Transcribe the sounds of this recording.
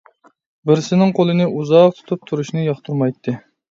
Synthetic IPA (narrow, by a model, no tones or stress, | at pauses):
bɪɾsɪnɪŋqʰolˠɨnɨʔuzɑq̚t̪ʰu̥t̪ʰup̚t̪ʰuɾuʃnɨjɑχt̪ʰulˠmɑjt̪ʰːɨ